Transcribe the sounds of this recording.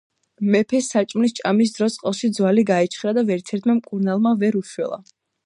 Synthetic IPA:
mɛpʰɛsːat͡ʃʼmnist͡ʃʼamis̬d̪ɾɔt̪sʼqʼɛlˠʃid̪zwaliɡaɛt͡ʃʰχɾad̪avɛɾt̪sʰɛɾt̪ʰmamkʼuɾnalˠmavɛɾuʃwɛ̰lˠa̰

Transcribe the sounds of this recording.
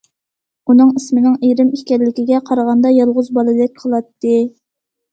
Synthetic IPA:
unɨŋismɪnɪŋeɾɪmiʃkʲɛɾlɪkʲiɡʲɛqʰɑɾəʁɑnd̪ɑjɑlˠʁʊzbɑlˠɨd̪ɪk̚ʲqʰəlˠɑt̪ːɨ

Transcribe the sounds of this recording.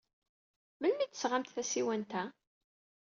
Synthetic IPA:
məlmit̪ːəsʁamt̪θæsiwænt̪æ

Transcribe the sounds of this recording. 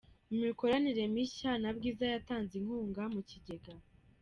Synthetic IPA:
umiko̞ɾaniɾe̞miʃanabɡiːzajataːnziŋ̥huːŋɡamuciɟe̞ɡa

